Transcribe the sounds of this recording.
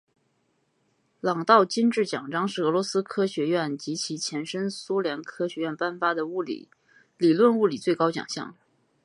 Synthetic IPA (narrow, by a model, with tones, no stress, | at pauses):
lɑ˨˩ŋt̪ɑ˥˩ʊt͡ɕi˥nʈ͡ʂɻ̩˥˩t͡ɕjɑ˨˩ŋʈ͡ʂɑ˥ŋʂɻ̩˥˩ɤ˧˥lwɔ˧˥sɹ̩˥kʰɤ˥ɕɥɛ˧˥ɥɛ˥˩nt͡ɕi˧˥t͡ɕʰi˧˥t͡ɕʰjɛ˧˥nʂə˥ŋsu˥ljɛ˧˥nkʰɤ˥ɕɥɛ˧˥ɥɛ˥˧npa˥˩nfa˥d̪ə˨u˥˩lḭ˨˩˦ | li˨˩lwə˥˧nu˥˩li˨˩t͡swe˥˩ɪkɑ˥ʊt͡ɕjɑ̰˨˩ŋɕjɑ̰˥˩ŋ